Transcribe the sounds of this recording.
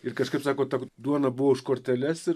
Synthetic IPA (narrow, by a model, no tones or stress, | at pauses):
ɪɾkɐʃkɐɪpsɑːkoːt̪ɑd̪uɔnɐbʊʋoːɪʃkoːɾʲt̪ʲɛlʲɛsɪ